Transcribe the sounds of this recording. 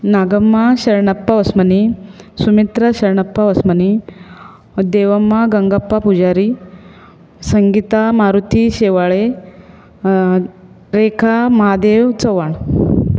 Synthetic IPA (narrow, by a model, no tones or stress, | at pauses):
naɡəmːaɕɐɾɳɐpːaʋɐsmənisumit̪ɾəɕɐɾɳɐpːaʋəsməni | d̪eʋəmːaɡəŋɡəpːapud͡ʑaɾi | səŋɡit̪amaɾut̪ʰiɕeʋaɭe | ɾekʰamɐɦad̪eʋt͡sɔʋaɳ